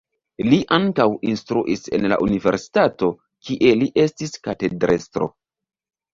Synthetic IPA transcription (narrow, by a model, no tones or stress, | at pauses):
liʔaŋkawinstɾuʔise̞̰nla̰ʔunive̞̰ɾsi̥tato̞ | kiʔeliʔe̞stiskate̞dɾʔestɾo̞̰